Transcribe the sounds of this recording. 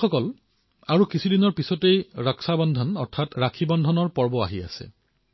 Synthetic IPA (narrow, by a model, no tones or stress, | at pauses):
ɔkɔl | aɹukisʰidinɔɹpisɔtejɹɔksabɔndʱɔnɔɹtʰatɹakʰibɔndʱɔnɔɹpɔɹbɔa̰ɦia̰sɛ̰